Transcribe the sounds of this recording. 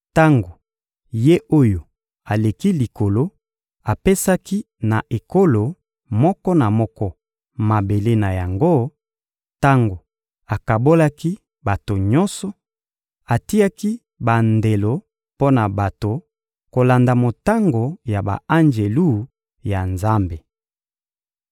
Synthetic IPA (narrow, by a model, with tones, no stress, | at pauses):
ta˦ŋɡo˨ | je˦ʔo˦jo˨ | a˨le˨ki˦li˨ko˨lo˦ | a˨pe˦sa˦ki˦ | na˨ʔe˨ko˦lo˨ | mɔ˦kɔ˦na˨mɔ˦kɔ˦ | ma˨be˨le˦na˨ja˨ŋɡo˦ | ta˦ŋɡo˨ | a˨ka˨bo˦la˦ki˦ | ba˨to˨ɲɔ˦nsɔ˨ | a˨ti˦a˦ki˦ | ba˨nde˨lo˨ | po˦na˨ba˨to˨ | ko˨la˨nda˨mo˨ta˦ŋɡo˨ja˨ba̰˨a˦nd͡ʒe˨lu˦ | ja˨nza˦mbe˨